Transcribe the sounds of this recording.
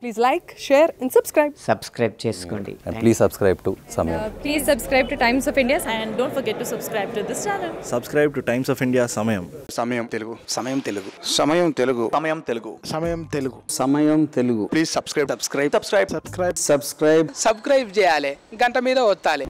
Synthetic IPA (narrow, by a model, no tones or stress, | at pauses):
pliːzlajkʃeːɾɛ̃ɳɖsɐbskɾajb̚sɐbskɾɐjb̚t͡ʃeːsu̥koːɳɖḭ̃ɳpliːssɐbskɾɐjbʈusɐmɐjɐpliːzsɐbskɾɐjb̚ʈuʈɐ̃jmsɔːfĩɳɖijasɛ̃ɳɖɖõːɳʈfɐɾɡeʈːusɐbskɾɐjb̚ʈud̪ist͡ʃaɾnɐlsɐbskɾɐjb̚ʈuʈɐjmsɔːfiɳɖijaːsɐmɐjɐmsɐmɐjɐmt̪eluɡusɐmɐjɐmt̪eluɡusɐmɐjɐmt̪eluɡuɐmɐjɐmt̪eluɡṵsɐmɐjɐmt̪eluɡusɐmɐjɐmt̪eluɡupliːssɐbskɾɐjsɐbskɾɐjbsɐbskɾɐjbsɐbskɾsɐbskɾajbsɐbskɾɐjbt͡ʃɛːjaːleɡɐɳʈɐmiːd̪ɐʋɔt̪ːaːli